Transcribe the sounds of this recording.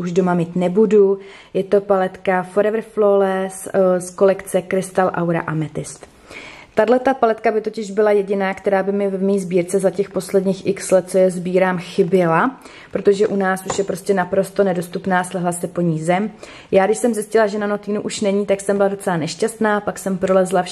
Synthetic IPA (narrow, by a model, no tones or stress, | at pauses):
uʒdo̞mamiːt̪nɛbudu | jɛt̪o̞palɛt̪kafoɾɛvɾ̩flolɛssko̞lɛkt͡sɛkɾɪst̪alʔawɾa̰ʔamɛt̪ɪst̪ | t̪adlɛt̪apalɛt̪kabɪt̪o̞cɪʒbɪlajɛɟɪnaːkt̪ɛɾaːbɪmɪvɛvmiiːzbiːɾt͡sɛzacɛxpo̞slɛdɲiːxʔɪkslɛt̪̚t͡sojɛzbiːɾaːmxɪbjɛla | pɾo̞t̪o̞ʒɛʔunaːsʔuʃjɛpɾo̞scɛnapɾo̞st̪o̞nɛdo̞st̪upnaːslɛɦlasɛpo̞ɲiːzɛm | jaːɡdɪʃsɛmzɪscɪlaʒɛnano̞t̪iːnuʔuʃnɛɲiːt̪aksɛmbɪlado̞t͡sɛlanɛʃcast̪naːpaksɛmpɾo̞lɛzlaf